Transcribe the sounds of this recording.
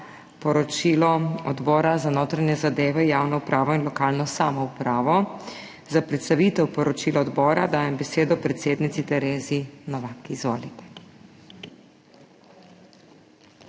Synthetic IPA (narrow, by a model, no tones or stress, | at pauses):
pɔɾɔt͡ʃiːlɔɔd̪bɔːɾazanoːt̪ɾanjɛzad̪eːʋɛjaːwnɔupɾaːʋɔinlɔkaːlnɔsaːmɔupɾaːʋɔ | zapɾɛt̪st̪aʋit̪ɛwpɔɾɔt͡ʃiːlɔɔd̪bɔːɾad̪aːjɛmbɛseːd̪ɔpɾɛt̪seːd̪nit̪sit̪ɛɾeːzinɔʋakiizʋoːlit̪ɛ̥